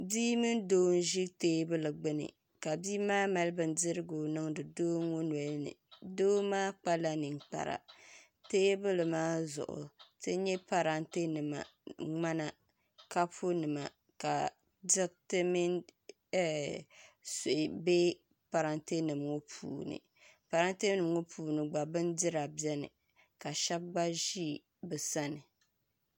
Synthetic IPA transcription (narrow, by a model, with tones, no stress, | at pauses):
biː˦mɨ˦ndoː˦n˦ʒi˦teː˦bɨ˦lɨ˨ɡ͡bɨ˦nɨ̰˨ | ka˨biː˦maː˦ma˨lbɨ˨n˦dɨ˦ɾɨ˦ɡo˨nɨ˦ŋdɨ˨doː˦ŋːo˦n˨ɛ˨lnɨ̰˨doː˦maː˦k͡pa˦la˦nɨ˨ŋk͡pa̰˨ɾa̰˨ | teː˦bɨ˦lɨ˨maː˦zʊ̰˨ʔʊ̰˨tɨ˦ɲɛ˦pa˨ɾa˦nte˦nɨ˨ma̰˨ŋ͡ma˦na˨ | ka˦pʰu˦nɨ˨ma̰˨ | ka˨ | dɪ˦ktɨ˦mi˦n˦ | so˨ʔɪ˨be˦ | pa˨ɾa˦nte˦nɨ˨mŋo˦pʰṵː˨nɨ̰˨ | pa˨ɾa˦nte˦nɨ˨mŋo˦pʰuː˨nɨ˨ɡ͡ba˨bɨ˦ndɪ˦ɾa˨bjɛ˦nɨ̰˨ | ka˨ʃɛ˦b̚ɡ͡ba˦ʒi˦˨ | bɨ˨sa˦nɨ˨